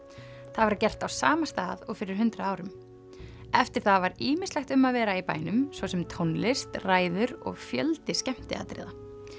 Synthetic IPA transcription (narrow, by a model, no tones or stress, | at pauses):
θaðvaɾcɛr̥t̪awsaːmast̪aːðɔɣfɪɾɪɾ̥ɦʏnt̪ɾaaːwɾʏm | ɛft̪ɪɾ̥θaðvaɾiːmɪslɛxt̪ʏmːaðvɛːɾaipa̰ːjnʏmsvɔsɛmt̪ʰownlɪst̪raːjðʏɾɔ̰ɣfjœ̰lt̪ɪscɛm̥t̪ɪa̰t̪ɾɪ̰ːða